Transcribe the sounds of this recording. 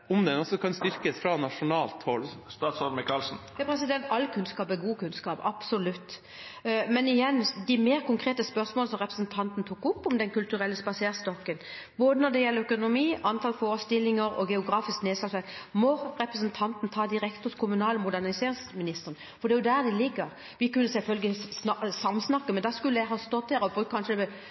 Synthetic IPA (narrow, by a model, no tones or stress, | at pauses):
ɔmd̪ɛnɔsɔkʰɑnst̪ʏɾkəsfɾɑnɑʂʊnɑːlt̪hɔlst̪ɑːt̪sɔɾmɪkɑlsn̩jɑpʰɾɛsɪd̪ɛnt̪ɑlːkʰʉnskɑːpæɡuːkʰʉnskɑːpɑ̰psʊlʉt̪ː | mɛnɪjɛnːd̪ɪmeːɾkʊŋkʰɾeːt̪əspœʁsmoːləsɔmʁɛpɾʁɛsnt̪ʰɑnt̪nt̪ʰuːkʊpːɔmd̪ɛnkʉlt̪ʉɾɛlːəspɑseːɾst̪ɔkːən | boːd̪ənɔd̪ɛjɛlːəœkʊnʊmiːʔɑnt̪ʰɑlfoːɾəst̪ɪlːɪŋəɾɔ̰ɡɛʊɡɾɑːfɪskneːd̪sɑsɛt̪mɔʁɛpɾəsnt̪ʰɑnt̪nt̪ʰɑːd̪ɪɾɛkt̪ʊskʰʊmʉnɑːlɔmʊd̪æʁnɪseːɾɪŋsmɪnɪst̪əʁən | fɔɾd̪ɛæːjʊd̪æɾd̪ɪlɪɡːəɾ | ʋɪkʉnːəsɛlfœlɡəsɑmːsnɑkːəmɛnd̪ɑskʉlːəæɦɑːst̪ɔt̪̚d̪æːɾɔbʁʉːk̪̚kʰɑnʂə